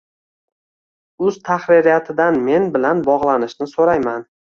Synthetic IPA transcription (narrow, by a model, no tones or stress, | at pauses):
ʊz̥t̪ʰaχɾɪɾijat̪ʰɪd̪anme̞nbɪlanbɒʁlˠanɪʃnɪsoɾajman